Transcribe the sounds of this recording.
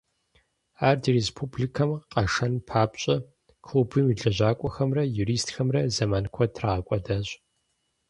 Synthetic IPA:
aːrdirespʰublikʰɐmqɐʂɐnpʰaːpɕʼɐ | kʰlubɨmiɮɐʑaːkʷʼɔxɐmrɐjuɾiːstxɐmrɐzɐmaːnkʷʰɔtʰraɐkʷʼɐdɐɕʼ

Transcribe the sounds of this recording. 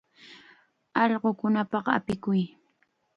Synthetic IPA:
ɑʎɢokʊnapɑqa̰pɪkʊj

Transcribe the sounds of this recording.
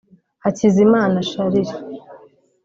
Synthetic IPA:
hacizimaːnaʃaɾiɾi

